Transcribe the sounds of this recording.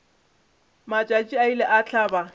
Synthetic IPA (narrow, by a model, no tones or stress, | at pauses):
mat͡ʃʼat͡ʃʼiailɛʔat͡ɬʰaːba